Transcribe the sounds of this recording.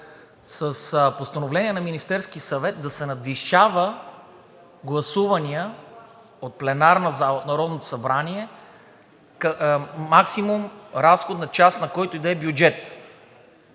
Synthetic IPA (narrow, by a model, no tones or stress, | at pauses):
səspost̪ɐnovlɛnʲiɛnɐminist̪ɛɾskisɐvɛt̪̚d̪ɐsɛnɐd̪viʃavə | ɡlˠɐsuvɐniə | ot̪̚plɛnaɾnɐzaot̪nɐɾɔd̪not̪o̥sɐbɾaniɛ | kmaksimumɾasxod̪nɐt͡ʃast̪nɐkɔjt̪ʊid̪ɛbjud͡ʒɛt̪